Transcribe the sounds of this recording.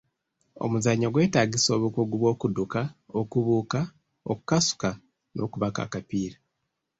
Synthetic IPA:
o̞̰muzaɲːo̞ɡwe̞ːtaːɡiso̞ːβukuɡuβwo̞ːkudukaokuβuːka | oku̥kasu̥ka | nʔo̞̰kuβaka̰kapiːɾa

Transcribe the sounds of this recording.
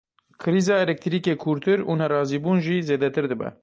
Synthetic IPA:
kʰɨɾiːzɑːɛlɛk̚t̪ʰɾiːkeːkʰuɾt̪ʰɨɾṵnɛrɑːziːbuːnʒiːzeːd̪ɛt̪ɨɾd̪ɨbɛ̰

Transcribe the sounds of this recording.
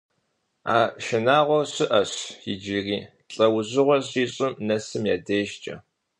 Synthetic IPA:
a̰ːʃɪnaːʁʷɔɕɨʔɐɕjɪd͡ʒiriː | ɬʼɐwʑɨʁʷɔɕʼiːɕʼɪmnɐsɨmja̰ːdeːʃt͡ʃʼɐ̰

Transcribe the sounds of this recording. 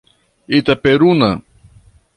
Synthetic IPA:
it̪apeɾuna

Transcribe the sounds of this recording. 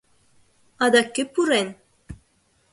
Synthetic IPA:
ɑd̪ɑkːɘpuɾen

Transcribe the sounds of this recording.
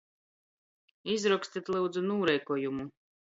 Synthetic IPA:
izɾɔkst̪it̪ʲlˠɨwd̪zunuːɾɛjkɔjumu

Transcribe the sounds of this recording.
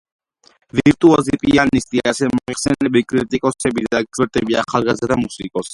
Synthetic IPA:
viɾt̪ʼuazipʼianist̪ʼiaasɛmɔiχsɛnɛbikʼɾit̪ʼikʼɔsɛbid̪ak̚d͡ʒwɛɾt̪ʼɛbiaχalˠɡazd̪amusikʼɔs

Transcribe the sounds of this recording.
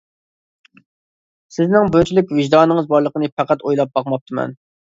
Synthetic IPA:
sɪznɪŋbønt͡ʃʰilɪkʲvɪʒd̪ɑːnɨŋəzbɑɾlˠəqənɨpʰæqæt̪ojlˠɑp̚bɑqmɑp̚t̪ʰɨmɛ̰n

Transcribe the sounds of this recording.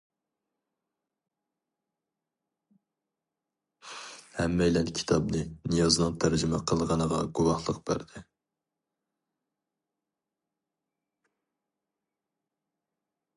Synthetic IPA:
hɛmːɛjlɛnkʲʰi̥t̪ʰɑbnɨnɨjɑzɨnɨŋt̪ʰæɾd͡ʒimɛqʰəlˠʁɑnəʁɑɡuwɑhlˠəqb̥æ̰ɾd̪̥ɪ

